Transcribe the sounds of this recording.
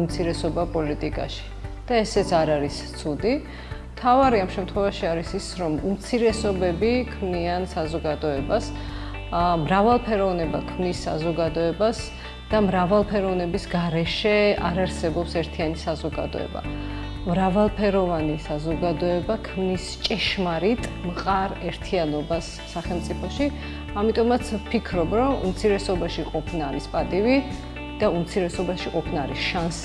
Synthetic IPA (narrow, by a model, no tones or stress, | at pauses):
umt̪sʰiɾɛsɔbapʼɔlit̪ʼikʼa̰ʃi̥d̪̥aɛsɛt̪sʰaɾaɾist̪sʰud̪i | mt̪ʰavaɾiamʃɛmt̪ʰχwɛvaʃiaɾisisɾɔmumt̪sʰiɾɛsɔbɛbikʰmniansazɔɡad̪ɔɛbas | mɾavalˠpʰɛɾɔvnɛba̰kʰmnisːa̰zɔɡad̪ɔɛbas | d̪̥amɾavalˠpʰɛɾɔvnɛbisɡaɾɛʃɛa̰ɾaɾsɛbɔpsɛɾt̪ʰianisazɔɡa̰d̪ɔ̰ɛ̰ba̰ | mɾavalˠpʰɛɾɔvanisazɔɡad̪ɔɛbakʰmnist͡ʃʼɛʃmaɾit̪ʼmqʼaɾɛɾt̪ʰianɔbasːaχɛlˠmt̪sʼipʰɔʃi | amit̪ʼɔmat̪sʰpʰikʰɾɔbɾɔmṵmt̪sʰiɾɛsɔbaʃiqʼɔpʰnaːɾispʼat̪ʼivi | d̪̥aumt̪sʰiɾɛsɔbaʃiqʼɔpʰnaːɾḭsʃans